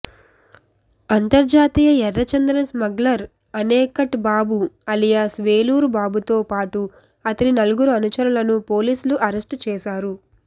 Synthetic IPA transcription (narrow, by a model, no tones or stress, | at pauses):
ɐnt̪ɐɾd͡ʒaːt̪iːjɐɛrːɐt͡ʃɐnd̪ɾɐɐsmɐɡlɐɾ | ɐnɛːkɐʈbaːbuɐlijasʋeːluːɾbaːbut̪oːpaːʈu | ɐt̪ɐninɐluɡuɾuɐnut͡ʃɐɾɐlɐnupo̞ːliːsuluʔɐɾesʈt͡ʃɛːʃaːɾu